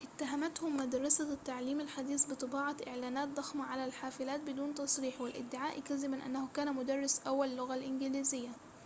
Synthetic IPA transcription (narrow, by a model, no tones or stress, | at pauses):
ʔɪt̪ːaɦamat̪hʊmːad̪ɑɾˤɑsat̪ːaʕliːmalħad̪iːsbɨt̪ˤɨbɑːʕɑʔɪʕlaːnaːt̪̚d̪ˤɑxmɑʕalalħaːfɪlaːt̪̚bɪd̪uːnt̪ɑsˤɾiːħwɪlʔɪ̰d̪ːɪʕaːʔkazɪmanʔa̰nːahʊkaːnamʊd̪ɑrˤːɪsʔawːalːʊɣalʔɪnɡɪliːzɪjːa